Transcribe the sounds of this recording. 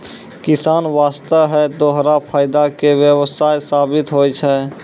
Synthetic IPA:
kɪsaːnʋaːst̪əɦɛd̪oɦɾapʰaːɪd̪akewjəwəsaːjsaːbɪt̪ɦojt͡ʃʰɛ

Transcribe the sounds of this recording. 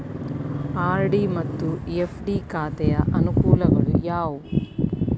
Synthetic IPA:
aːɾɖimɐt̪ːuepʰɖiːkaːt̪ɛjɐʔɐnukuːlɐɡɐɭṵjaːʋu

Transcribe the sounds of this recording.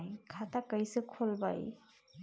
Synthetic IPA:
jkʰat̪akəjsekʰolba̰j

